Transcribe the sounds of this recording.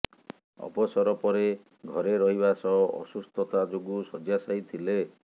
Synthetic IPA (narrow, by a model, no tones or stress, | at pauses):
ɔ̰bɔsɔɾɔpɔɾe | ɡʱɔɾeɾɔɦiβasɔɔʔɔ̰sust̪ʰɔt̪ad͡ʒoɡusɔd͡ʒjasajt̪ʰile